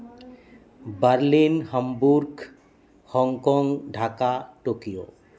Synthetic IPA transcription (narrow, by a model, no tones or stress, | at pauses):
bəɾlinɦəmbuɾɡ | hɔŋkɔŋɡɖʱakaʈokijo